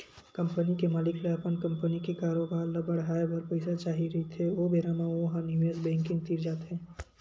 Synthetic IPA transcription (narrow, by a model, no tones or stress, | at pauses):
kɐ̃mpənikemaːlɪkleɐpənkə̃mpənikekaːɾobaːɾnabəɽ̤ɦaːebɐɾpɐɪsat͡ʃaːɦiɾɐɦit̪ʰeobeɾamaoɦamnɪʋeːzbɛ̃ːŋkɪ̃ŋɡ̚t̪iːɾd͡ʒaːt̪ɦɛ̃ː